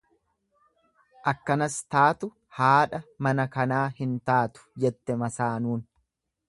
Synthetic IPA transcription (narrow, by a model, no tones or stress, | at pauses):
ʔɐkːɐnɐst̪aːt̪ʊ | haːᶑɐmɐnɐkɐnaːhɪnt̪aːt̪ʊ̥d͡ʒɛt̪ːɛmɐsaːnuːn